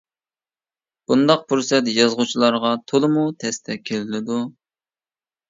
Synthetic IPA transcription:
b̥und̪ɑq̚pʰuɾsɛt̪jɑzʁʊt͡ʃʰilˠɑɾʁɑt̪ʰolˠɨmut̪ʰɛst̪ʰɛkʲʰelɪlɪd̪u

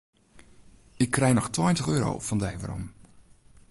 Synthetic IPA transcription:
ɪkʰːrɛjnɔxtwɔjntəxøːɾo̰ːfɔndɛjvə̰rɔ̰m

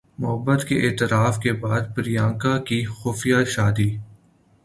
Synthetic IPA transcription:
mʊɦəbːət̪keʔeːt̪ɪɾaːfkebaːd̪pɪɾijãːŋkakixʊːfijaʃaːd̪iː

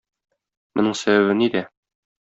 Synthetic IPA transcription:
mŏ̰nɤɴsæbæβɘnid̪æ

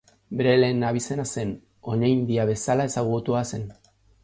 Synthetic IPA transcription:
be̞ɾe̞le̞ːnaβ̞ise̞nase̞n | o̞najnd̪iaβe̞salae̞saɣ̞ut̪uase̞n

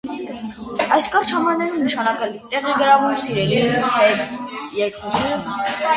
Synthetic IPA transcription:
ɑjskɑɾt͡ʃʰɑmɑɾnɛɾinəʃɑnɑkɛlit̪ɛʁiɡəɾɑvumsiɾɛlihɛt̪jɛɾkusʰu

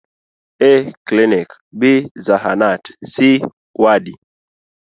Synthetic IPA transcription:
ɛklinik | bizaɦa̰natsi | wadi

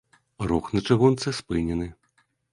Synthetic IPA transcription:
rɔxnɐt͡ʂɐɣunt̪sɨspɨnʲɛnɨ

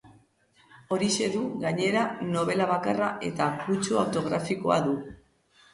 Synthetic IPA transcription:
o̞ɾise̞ðuɣaɲe̞ɾano̞β̞e̞laβ̞akaraʔe̞t̪akut͡ʃuawt̪o̞ɣ̞ɾafiko̞̰a̰ðu

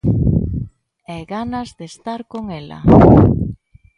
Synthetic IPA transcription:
ɛɣanazðest̪aɾkoŋɛla̰

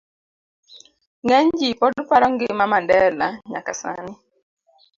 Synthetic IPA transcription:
ŋɛɲd͡ʒipɔdupaɾɔŋɡɪmamandɛlaɲakasa̰nɪ

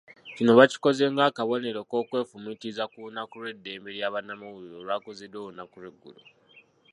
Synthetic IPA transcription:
cino̞βaci̥ko̞ze̞ŋɡaːkaβo̞ne̞ɾoko̞ːkwe̞ːfumitizakunakulwe̞dːe̞ːmbe̞ɾjaːβanamawuɾoːlwakozedoːunakulweɡːṵlu

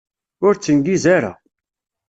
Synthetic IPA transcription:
ʊɾt͡sːənɡizaɾa̰

